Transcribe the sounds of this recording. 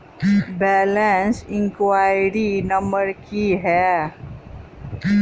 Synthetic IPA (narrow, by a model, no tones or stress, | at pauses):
bɛːlẽnsɪ̃ŋkwaːɪjɾinɐ̃mbəɾkiɦɛː